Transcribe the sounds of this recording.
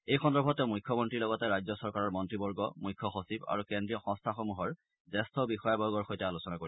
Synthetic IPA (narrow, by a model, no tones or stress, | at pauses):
ejxɔndɔɹbʱɔtɛʊmujkʰːɔmɔntɹilɔɡɔtɛɹajzɔsɔɹkaɹɔɹmɔntɹibɔɹɡɔ̰mujkʰːɔxosiba̰ɹukendɹijɔxɔ̃ŋstʰaxomuɦɔɹ | zɛstʰɔbixɔjabɔɹɡɔɹxojtɛalusɔnakoɹi